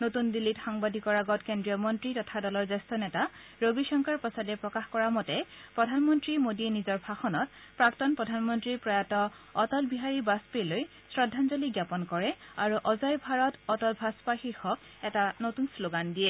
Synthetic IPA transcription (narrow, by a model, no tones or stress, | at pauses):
notundilitxaŋbadʱikɔɹaɡɔtkendɹijɔmɔntɹitɔtʰadɔlɔɹzɛstɔnɛta | ɹobiʃɔŋkaɹpɔsadɛpɹɔkaxkɔɹamɔtɛpɹɔdʱanmɔntɹimodienizɔɹbʱaxɔnɔt̚ | pɹaktɔnpɹɔdʱanmɔntɹipɹɔjatɔː | tɔlbiɦaɹibaspeloj | sɹɔdʱːanzoliɡjapɔnkɔɹɛaɹuʔɔzɔjbʱaɹɔtɔtɔlbʱaspaxixɔk | ɛtanotunsloɡandijɛ